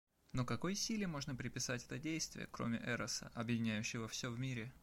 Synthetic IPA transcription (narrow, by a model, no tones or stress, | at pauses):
nokɐko̞jsʲilʲɪmo̞ʐnəpɾʲɪpʲɪsatʲɛt̪ədʲejst̪vʲɪ̰jə̰kɾo̞̰mʲɪ̰ʔɛɾəsə̰ʔɐbjɪdʲɪnʲæjʉɕːɪvəfsʲɵvmʲiɾʲɪ